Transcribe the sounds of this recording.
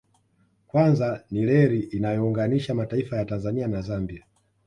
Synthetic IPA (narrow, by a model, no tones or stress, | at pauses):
kwanzanilɛɾiʔinajɔuŋɡaniʃamataifajatanzanianazambia